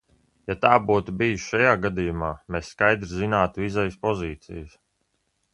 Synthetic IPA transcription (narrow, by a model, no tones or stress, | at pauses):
jat̪aːbuːt̪ubijuʃʃajaːɡad̪ijumaːmesskajd̪ɾzinaːt̪uizɛjspɔziːt̪sḭjəs